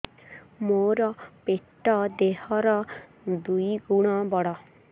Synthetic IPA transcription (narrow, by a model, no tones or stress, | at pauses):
moɾɔpeʈːɔd̪ehɔɾɔ | d̪uiɡuɽ̃abɔɽa